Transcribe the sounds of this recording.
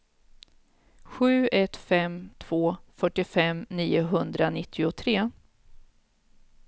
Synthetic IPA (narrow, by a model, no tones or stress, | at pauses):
ɧʉ̟ːɛt̪fɛmt̪ʰv̥oːfœʈːɪfɛmniːʊɦɵnd̪ɾanɪt̪ʰːɪʊt̪ʰɾeː